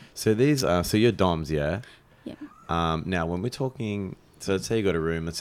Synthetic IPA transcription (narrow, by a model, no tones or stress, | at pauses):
soʊðizʌ̃soʊjə˞dɑ̃mzjæ | ʔʌ̃mnaʊwə̃nwɨɹtʰɔkɪ̃ŋ | soʊətseɪjɨɡɑɾɨɹʉ̃mə̃s